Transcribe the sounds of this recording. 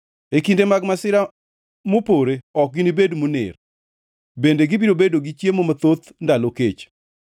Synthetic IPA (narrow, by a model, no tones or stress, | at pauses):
ekindemaɡmasɪɾa | mopoɾeɔk̚ɡinibedmunɪ̰r | bendeɡibiɾobedoɡit͡ʃjemomat̪ot̪ndaloket͡ʃ